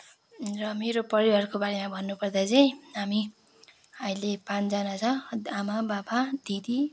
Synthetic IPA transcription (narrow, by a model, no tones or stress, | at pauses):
rʌmeɾopʌɾibarkobaɾemabʱʌnːupʌrd̪at͡saĩɦami | ʌmĩlepãnd͡zʌnat͡sʰʌamababad̪̥ʱid̪i